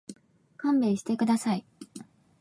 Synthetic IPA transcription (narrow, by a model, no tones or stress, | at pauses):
kãmbeːɕi̥t̪e̞kɯ̟d̪asai